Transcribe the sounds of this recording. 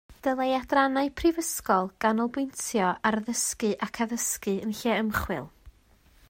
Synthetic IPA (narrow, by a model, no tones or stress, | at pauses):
d̥əlˠajadranaɨpʰrivəskɔlˠɡ̥anɔlˠbwɪjntʰjɔarðəskɨʔakʰaðəskɨənɬɛəmχwɪ̰lˠ